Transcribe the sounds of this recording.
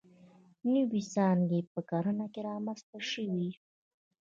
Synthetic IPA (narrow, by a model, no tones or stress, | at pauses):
nəwisɑnɡepəkɑɾənakeɾɑmanst̪aʃəwi